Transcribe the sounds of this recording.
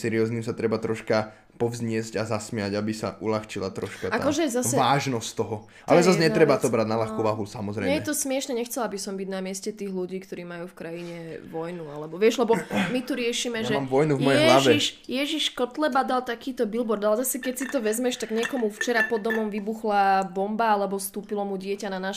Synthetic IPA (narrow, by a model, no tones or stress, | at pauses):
sɛɾiɔzniːmsat̪ɾɛbat̪ɾɔʃka | pɔvzɲɪɛzɟazasmɪaɟabisa̰ʔulaxt͡ʃila̰t̪ɾɔʃkkaakɔʒɛzasɛaːʒnɔst̪ɔɦɔ | ʔa̰lɛzazɲɛɾɛbat̪ɔbɾad̪nalaxkuːʋaɦusamɔzɾɛ̰jɛjɛt̪ɔsmɪɛʃnɛɲɛxt͡sɛlabisɔmbiɟnamɪɛscɛt̪iːɣluɟiːkt̪ɔɾiːmajuːfkɾajiɲɛʋɔjnualɛbɔʋɪɛʒlɛbɔmit̪uɾɪɛʃiːmɛʒɛmʋɔjnuvmɔjɛɛɦlaʋɛiʃjɛʒiʃkɔt̪lɛbad̪alt̪akiːt̪ɔbilbɔɾd̪alɛzasɛkɛcsit̪ɔʋɛzmɛʃt̪aɡɲɪɛkɔmuft͡ʃɛɾapɔd̪ɔmɔmʋibuxlabɔmbaalɛbɔst̪uːpilɔmuɟɪɛcananaːʃ